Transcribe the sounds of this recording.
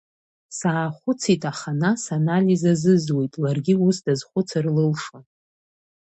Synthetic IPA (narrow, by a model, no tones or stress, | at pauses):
saːχʷʊt͡sʰitʼaχanasanalʲizazɨzwejtʼlarɡʲiusdazχʷʊt͡sʰarlɨlʂa